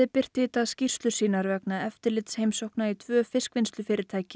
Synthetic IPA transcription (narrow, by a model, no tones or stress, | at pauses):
ɪpɪr̥t̪ɪt̪aðscir̥st̪lʏ̥siːnaɾvɛknaɛft̪ɪɾlɪt̪sheːjmsowhknait̪ʰvœːfɪskvɪnst̪lʏfɪːɾɪɾt̪ʰaːjcɪ